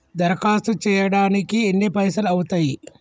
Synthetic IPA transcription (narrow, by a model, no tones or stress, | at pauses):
d̪ɐɾkaːst̪ut͡ʃɛːjɐɽaːnikienːipɐjsɐlɐwut̪aːji